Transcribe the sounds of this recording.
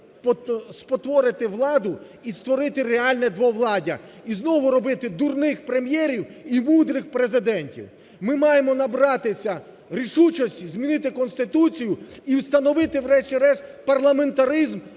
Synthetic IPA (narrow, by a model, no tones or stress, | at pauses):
pɔspɔt̪ʋɔɾɪt̪ɪʋlˠɑd̪ʊ | ist̪ʋɔɾɪt̪ɪreɑlʲnɛd̪ʋɔʋlˠɑdʲɐ̰ | iznɔʋʊɾɔbɪt̪ɪd̪urnɪxpɾe̞mjɛɾʲiwimud̪ɾɪxpɾezɪd̪ɛnʲtʲḭw | mɪmɑjemɔnɐbɾɑt̪ɪsʲɐ | ɾʲiʃut͡ʃɔsʲtʲizmʲinɪt̪ɪkɔnst̪ɪt̪ut͡sʲijʊiwst̪ɐnɔʋɪt̪ɪʋɾɛʃtʲiɾɛʃpɐrlˠɐme̞nt̪ɐɾɪzm